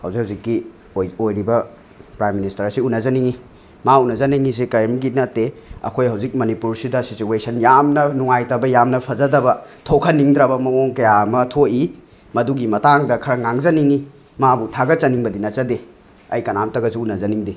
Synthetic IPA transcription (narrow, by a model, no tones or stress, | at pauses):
hɐwzikhawzikːi | ojojɾibɐ | pɾajmːinistɐɾsiunɐzɐniŋi | maunɐzɐniŋis̬ekɐjmɡinɐtːeɐ̰kʰojɦɐwzik̚mɐnipuɾsidɐsit͡ʃuesɐnjamnɐnuŋajtɐbɐjamnɐpʰɐzɐdɐbɐtʰokʰɐnːiŋdɾɐbɐmɐmoŋkɐjamɐtʰoʔi | mɐduɡimɐtaŋdɐkʰɐɾɐŋaŋzɐniŋi | mabutʰaɡɐt͡ʃɐniŋbɐdinɐt͡ʃɐde | ɐ̰jkɐnamtɐɡɐsuunɐzɐniŋdi